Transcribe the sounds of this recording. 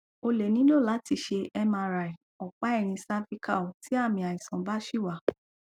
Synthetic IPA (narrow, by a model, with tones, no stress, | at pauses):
o˧le˨nĩ˨˦lo˦˨la˨˦ti˧ʃe˧ɛ˧mã˧ɾa˨i˨ | ɔ˨k͡pa˨˦ɛ˦˨ɾ̃ĩ˧sa˦fi˦ka̰˦˨o˨ti˨˦a˦˨mĩ˧a˨i˨sã˨ba˦ʃi˦˨wa˨˦˨